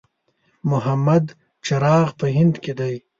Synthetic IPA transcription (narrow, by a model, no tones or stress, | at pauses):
mʊɦamɐd̪ | t͡ʃɐɾɑːɣpəɦɪnd̪ked̪aj